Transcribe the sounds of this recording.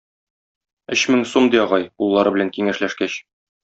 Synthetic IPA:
ɵ̆ɕmɘŋsumd̪ijɒʁɑjulˠːɑɾɤbɘ̆læŋkiŋæʃlæʃkæɕ

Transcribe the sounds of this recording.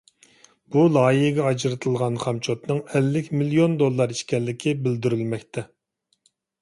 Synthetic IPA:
b̥ulˠɑːjiɦɡʲɛɑd͡ʒɾɨt̪ʰɨlˠʁɑnχɑmt͡ʃʰot̪nɨŋɛlːɪkʲmiliond̪olˠːɑɾiʃkʲɛlːɪkʲʰɪbɪld̪yɾylmɛkʲt̪ʰɛ

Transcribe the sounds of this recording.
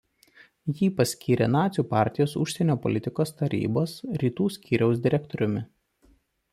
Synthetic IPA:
jiːpɐsʲkʲiːɾʲḛnɑːt̪sʲuːpɑːˑɾʲt̪ʲɪjoːsʊʃʲsʲɛnʲoːpɔ̰lʲɪt̪ʲɪkoːst̪ɐɾʲḭːboːsɾʲiːt̪uːsʲkʲiːɾʲɛʊs̬d̪ʲɪɾʲɛkt̪ɔɾʲʊmʲɪ

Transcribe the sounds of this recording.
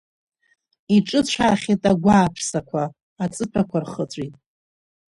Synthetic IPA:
iʈ͡ʂʼɨt͡ɕʷʰaχʲitʼaɡʷaːpʰsakʷʰaː | t͡sʼɨpʰakʷʰarχət͡sʷʼitʼ

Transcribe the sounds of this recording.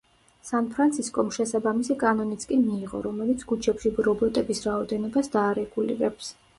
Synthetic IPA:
sanpʰɾant̪sʰiskʼɔmʃɛsabamisikʼanɔnit̪sʰkʼɛmiːʁɔ̰ɾɔmɛlit̪sʰɡut͡ʃʰɛpʃibɾɔbɔt̪ʼɛbisɾaɔd̪ɛnɔbasd̪aːɾɛɡulḭɾɛps

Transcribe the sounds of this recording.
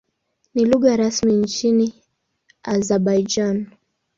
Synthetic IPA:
niluɣaɾasmint͡ʃini | azaɓajd͡ʒan

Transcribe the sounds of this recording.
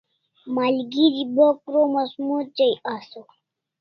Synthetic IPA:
maːlɡiɾibokɾomasmut͡ɕajaso

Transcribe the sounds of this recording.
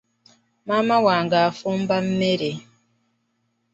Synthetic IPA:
mamawaŋɡafumbam̩meɾe

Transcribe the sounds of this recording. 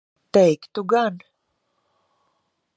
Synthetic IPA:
t̪ejkt̪uɡan

